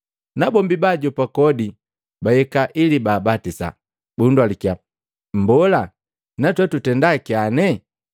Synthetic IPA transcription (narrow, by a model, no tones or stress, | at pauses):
nabɔmbibaɟɔpakɔdi | bajɛkaʔilibaːbatisa̰ | bundwalikia | m̩bɔla | natwɛtutɛndakianɛ